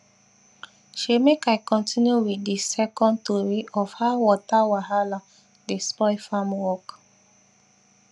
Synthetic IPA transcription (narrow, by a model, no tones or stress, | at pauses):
ʃimekaɪkɔ̃ntʰĩnjuwidisɛkɔ̃ntɔɹiɔfhawɔtawaɦala | despɔɪfãmwɔk